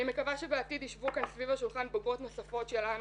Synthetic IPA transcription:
imekavaʃebeatid̪iʃvukansvivhaʃulχanboɡvo̞t̪no̞safo̞t̪ʃelan

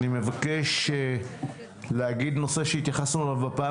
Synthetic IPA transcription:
nime̞vake̞ʃ | leaɡid̪no̞se̞ʃeit̪jaχasnulavbapaː

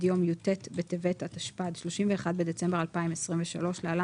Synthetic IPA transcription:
djo̞mjotetbet̪evetat̪aʃpad̪ʃlo̞ʃimveːχad̪bed̪et͡sembealpaimesʁimveʃa̰lo̞ʃleala

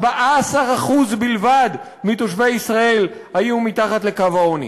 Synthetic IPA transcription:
baʔaːsaʁaχuzbilvad̪ | mit̪oʃvejisʁae̞lhajumit̪aχat̪le̞kavaonḭ

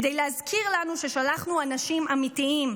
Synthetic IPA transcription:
d̪ejleazkʰiʁlanuʃe̞ʃalaχnuanaʃimamitiim

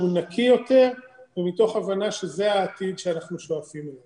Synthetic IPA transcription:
unakʰijo̞te̞ʁvemito̞χavanaʃe̞ze̞aːt̪id̪ʃeanaχnuʃoafimo

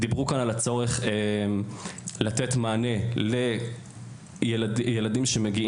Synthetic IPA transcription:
d̪ibʁukanalat͡so̞ʁe̞χemlat̪et̪maːne̞le | jeladjeladimʃe̞me̞ɡi

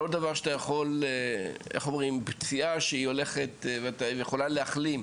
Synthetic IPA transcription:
od̪̚d̪avaʁʃat̪ajaχo̞leeχomʁimbt͡siʔaʃeio̞le̞χet̪veat̪ajeχo̞laleaχlim

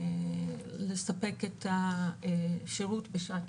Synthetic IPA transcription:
lesape̞keta | ʃeʁutbeʃat

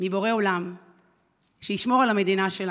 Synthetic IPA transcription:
mibo̞ʁe̞olam | ʃejiʃmo̞ʁalhame̞d̪inaʃel

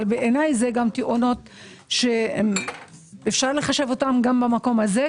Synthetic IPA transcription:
lbeʔenajzeɡamtiʔono̞t | ʃem | efʃaʁle̞χaʃe̞vo̞tamɡambamako̞mhaze

